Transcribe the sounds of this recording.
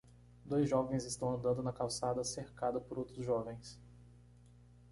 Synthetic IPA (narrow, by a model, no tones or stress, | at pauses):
d̪ojzʒɔvẽj̃zɪst̪ɐ̃w̃ɐ̃nd̪ɐ̃nd̪ʊnɐkawsad̪ɐseɾkad̪ɐpʊɾowt̪ɾʊzʒɔvẽj̃s